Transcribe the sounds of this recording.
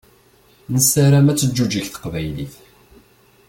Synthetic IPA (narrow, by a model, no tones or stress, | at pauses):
nəsːaɾamæt͡sːəd͡ʒːud͡ʒiçθə̥qvæjliθ